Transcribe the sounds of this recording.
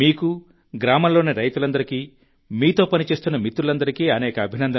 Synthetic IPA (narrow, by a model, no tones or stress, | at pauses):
iːku | ɡɾaːmɐmlo̞ːniɾɐjt̪ulɐnd̪ɐɾikiː | miːt̪o̞ːpɐnit͡ʃe̞ːst̪unːɐmit̪ːɾulɐnd̪ɐɾikiːɐnɛːkɐːbʱinɐnd̪ɐ